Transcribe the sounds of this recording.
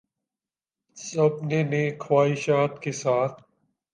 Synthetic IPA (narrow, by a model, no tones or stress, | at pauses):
sɐbneneːkʰwaːiʃaːt̪kesaːt̪ʰ